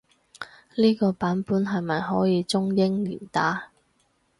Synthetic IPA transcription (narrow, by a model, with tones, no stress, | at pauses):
liː˥kɔː˧paː˨˥npuː˨˥nɦɐ˨jmɐ˨jɦɔː˨˥jiː˨˧t͡sʊ˥ŋjɪ˥ŋlḭː˨˩nt̪aː˨˥